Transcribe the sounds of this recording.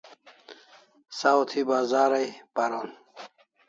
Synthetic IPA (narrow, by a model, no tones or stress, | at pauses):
sawt̪ʰibaːzaːɾajpaɾon